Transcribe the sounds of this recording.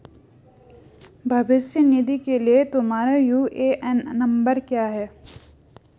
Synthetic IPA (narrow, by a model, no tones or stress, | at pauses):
bʱɐbɪsjənid̪ikeliet̪ʊmaːɾajuːʔeʔɛnːɐ̃mbəɾkjaːɦɛː